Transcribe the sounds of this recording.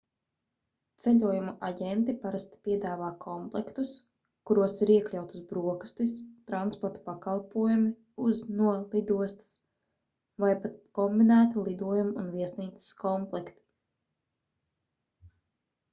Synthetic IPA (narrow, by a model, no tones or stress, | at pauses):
t̪sɛʎʲuɔjumaʔaɟɛnt̪ipaɾast̪i̥pʲiɛd̪aːvaːkʰɔmplˠɛkt̪us | kuɾuɔsiɾiɛklʲawt̪u̥sbɾuɔkst̪ist̪ɾanspɔɾt̪ḁpakalˠpuɔjumi | uznuɔlˠid̪uɔst̪ḁs | vajpat̪kɔmbinæːt̪ilˠid̪uɔjumunviɛsniːt̪sɪ̥skɔmplˠɛkt̪i̥